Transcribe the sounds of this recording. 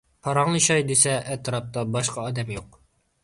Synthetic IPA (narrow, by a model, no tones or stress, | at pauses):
pʰɑɾɑŋɨʃɑjd̪esɛʔɛt̪ɾɑp̚t̪ɑbɑʃqɑːd̪ɛmjoq̚